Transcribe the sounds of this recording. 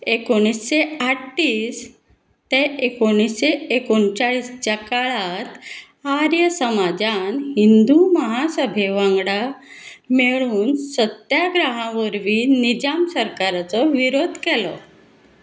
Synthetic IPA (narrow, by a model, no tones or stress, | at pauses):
ekoɽ̃isɕeaʈːiːs | t̪eekoɽ̃isɕeekoɳt͡ɕaɭiːst͡ɕakaɭat̪ | aɾjəsəmad͡zanɦind̪uməɦasəbʱeʋãŋɡɽa | meɭuːnsət̪jaɡɾaɦãʋəɾʋiːnid͡ʑamsəɾkaɾat͡sɔʋiɾod̪ʱkɛlɔ